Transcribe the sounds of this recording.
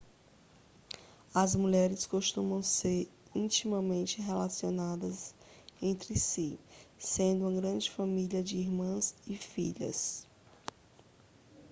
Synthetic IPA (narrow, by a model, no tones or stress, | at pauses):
ɐzmuʎɛɾɪskoʃt̪ũmɐ̃w̃seɾĩt͡ʃimɐmẽnt͡ʃɪɦelasionad̪ɐz | ẽnt̪ɾɪsisẽnd̪ʊũɐɡɾɐ̃d͡ʒɪfamiliɐd͡ʒɪiɾmɐ̃zɪfḭʎɐ̰s